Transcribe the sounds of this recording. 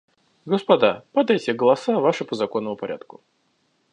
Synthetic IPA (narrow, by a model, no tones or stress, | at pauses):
ɡəspɐd̪apɐd̪ajtʲɪɡəlˠɐsavaʂɨpəzɐkonːəmʊpɐɾʲʔa̰t̪kʊ